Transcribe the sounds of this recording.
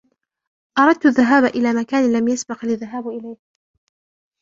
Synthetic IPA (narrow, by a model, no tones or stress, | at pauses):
ʔɑɾˤɑd̪̚t̪ʊðːaɦaːbaʔɪlaːmakaːnɪlamjasbɪqlɪðaɦaːbʔɪlajh